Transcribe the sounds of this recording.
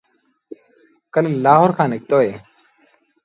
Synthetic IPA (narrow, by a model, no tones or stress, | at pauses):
kəlelaːɦoːɾkʰãːnɪk̚t̪oːɦeː